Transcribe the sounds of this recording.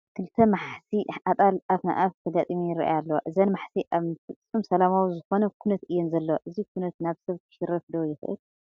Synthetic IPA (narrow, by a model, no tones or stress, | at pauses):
kʰɨlɨt̪ʰːɐmaħsiat̪ʼalʔafna̰ʔaft̪ʰɐd̪at̪ʼɨmijɪɾḭʔa̰jalːɐwoʔɨzɐnmaħsiʔaβfɨt͡sʼːumsɐlamawzɨxo̞nɐkʰunɐt̪ɨjːɛnzɐlːɐwʔɨzikʰunɐt̪naβsɐβt̪ʰɨ̥ʃɨɾɐfd̪ojɪxɐ̰ʔɨ̰l